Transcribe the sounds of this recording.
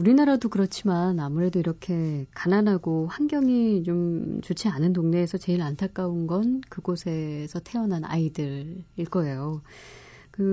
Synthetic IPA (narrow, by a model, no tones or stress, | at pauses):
uɾinaɾadokɯɾʌt͡ɕʰimanamuɾe̞doiɾʌkʰe̞kananɦaɡoɸwanɡjʌŋit͡ɕomt͡ɕot͡ɕʰianɯntoŋne̞ːsʰʌt͡ɕe̞iɾantʰak͈aunɡʌnkɯɡosʰe̞sʰʌtʰe̞ʌnɦana̰idɯɾiɭk͈ʌe̞jo | kɯ